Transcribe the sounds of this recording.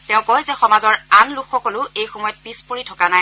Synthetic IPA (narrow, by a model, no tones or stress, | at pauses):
tɛʊ̃kɔjzɛxɔmazɔɹanlʊkxɔkɔlʊejxɔmɔjɔt̚pispoɹitʰɔkanaj